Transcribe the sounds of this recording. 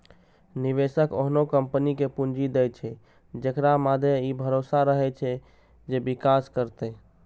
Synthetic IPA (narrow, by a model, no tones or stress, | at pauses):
niβesəko̰ɦnokəmpənikepund͡ʒid̪ɛjt͡ʃʰɛ | d͡ʒekɾamad̪ʱjeibʱəɾosaɾəɦɛt͡ʃʰɛ | d͡ʒebikaskəɾt̪ɛ